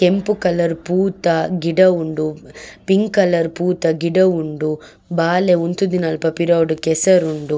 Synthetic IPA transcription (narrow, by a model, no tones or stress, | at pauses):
kempukɐlɐɾpuːt̪ɐɡiɖɐuɳɖupiŋɡkɐlɐɾpuːt̪ɐɡiɖɐuɳɖu | baːleunt̪ud̪inɐlpɐpiɾɐʋɖukɛsɐɾuɳɖu